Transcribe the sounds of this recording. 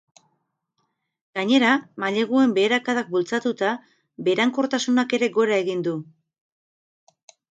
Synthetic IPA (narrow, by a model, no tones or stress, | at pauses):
ɡ̥aɲe̞ɾamaʎe̞ɣ̞ue̞mbe̞ːɾakaðak̚bult͡sat̪ut̪a | be̞ːɾaŋko̞ɾt̪asunake̞ɾe̞ɣo̞ɾae̞ɣind̪u